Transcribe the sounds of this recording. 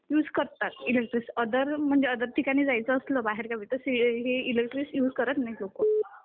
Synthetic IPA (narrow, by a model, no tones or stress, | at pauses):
juːd͡zkəɾt̪at̪ilek̚ʈɾisəd̪əɾm̤əɳd͡zeəd̪əɾʈ̪ikaɽ̃iːd͡zajt͡səːsləbaɦeɾkaʋit̪əseɦeilek̚ʈɾisjuːd͡zkəɾət̪najloko